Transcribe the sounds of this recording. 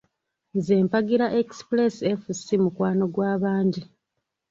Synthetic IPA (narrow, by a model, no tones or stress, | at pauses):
zeːmpaɡiɾaʔeksplesiefusimukwaːno̞ɡwaːβaːɲɟi